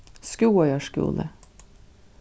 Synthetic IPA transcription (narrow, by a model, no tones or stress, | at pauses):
skuːœʏəʃkṵːlʔə̰